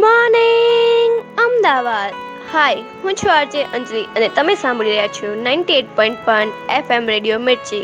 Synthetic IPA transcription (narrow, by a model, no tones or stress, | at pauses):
mãːneŋɐmd̪aːbaːd̪ | haːi | kʊ̃t͡ɕʰʋaːɾd͡ʑeʔɐ̃ɲd͡ʑiɐə̃nẽt̪ɐmẽsãːmbʱɪliɾɐijat͡ɕʰonãːɪ̃ɳʈieːʈ̚pɔ̃ːɪ̃ɳʈ̚pɐneːfemɾeːɖijomɪɽt͡ɕeː